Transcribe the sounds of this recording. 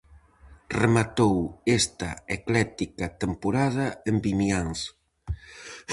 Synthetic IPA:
remat̪owest̪ɐeklɛt̪ikat̪empoɾað̞ɐembinjaŋs

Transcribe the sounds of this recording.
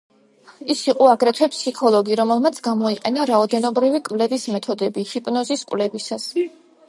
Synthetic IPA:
isiqʼɔaɡɾɛt̪ʰwɛpsikʰɔlˠɔɡiɾɔmɛlˠmat̪sʰɡamɔiqʼɛnaɾaɔd̪ɛnɔbɾivikʼvlɛvismɛt̪ʰɔd̪ɛbihipʼnɔziskʼwvlɛbisas

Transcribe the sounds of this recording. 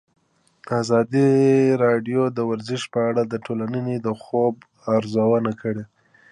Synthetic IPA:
d̪̥əazɑd̪iɾɑɖjod̪əwaɾzɪʃpəaɽad̪əʈʰolanəned̪əxob | aɾzawənakəɽe

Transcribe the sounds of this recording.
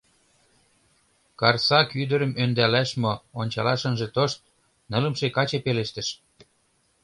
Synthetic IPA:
kɑrsɑkyd̪ə̆ɾə̆mønd̪ælæʃmoonʲt͡ɕɑlɑʃə̆nʒĕt̪oʃt̪̚ | nə̆lə̆mʃekɑt͡ɕepeleʃt̪ə̆ʃ

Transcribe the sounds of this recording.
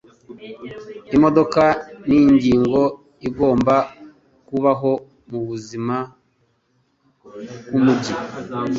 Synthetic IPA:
imo̞do̞kaniɲɟiːŋɡo̞ | iɡo̞ːmba | kuβaɦo̞ | muβuzima | kumuɟi

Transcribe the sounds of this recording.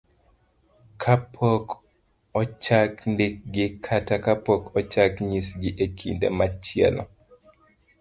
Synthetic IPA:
kʰapʰok | ɔt͡ʃakndik̚ɡɪkʰatakapɔkʰɔt͡ʃakɲisɡɪʔekʰḭndḛmat͡ʃɪɛ̰lɔ̰

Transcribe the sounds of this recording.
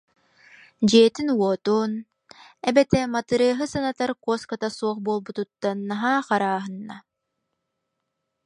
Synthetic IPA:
d͡ʑiɛt̪inwuɔt̪uːn | ɛbɛt̪ɛmat̪ɯɾɯɐɦɯsanat̪aɾkɔskat̪asuɔχbuːlˠbut̪ut̪ːanːaɦaːχaɾaːɦɯnːa̰

